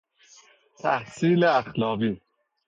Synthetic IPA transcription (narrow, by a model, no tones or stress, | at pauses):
t̪ʰa̰hsiːleaxlɑːvi